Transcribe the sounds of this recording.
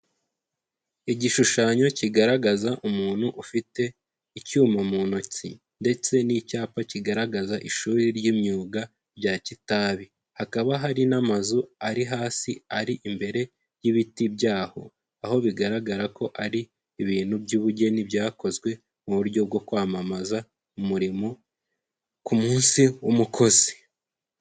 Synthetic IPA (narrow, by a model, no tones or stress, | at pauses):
iɟiʃuʃaɲo̞ciɡaɾaɡazaʔumuːn̥huʔufite̞ | icuːmamunocḭ | nde̞t͡se̞nicaːpaciɡaɾaɡazaʔiʃuːɾiɾɟimɲuːɡa | bɟaːcitaːβi | hakaβaɦaɾinamazuaɾiɦaːsiaɾiʔimbe̞ɾe̞ | jiβitibjaːho̞ | aho̞βiɡaɾaɡaɾako̞ʔaɾiː | βiːn̥hubɟuːβuɟe̞nibɟaːko̞zwe̞ | muβuɾɟo̞b̚ɡo̞kwaːmamaza | umuɾimo̞ | kumuːnsiumukʰo̞zi̥